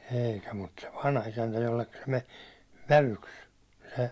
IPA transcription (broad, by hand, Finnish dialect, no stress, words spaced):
eikæ mut se ʋɑnhɑisæntæ jolːekːɑ se me ʋæʋyks se